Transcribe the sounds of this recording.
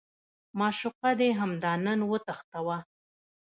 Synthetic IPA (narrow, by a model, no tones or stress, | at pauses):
mɑʃʊqad̪eɦamd̪ɑnənwət̪axt̪awa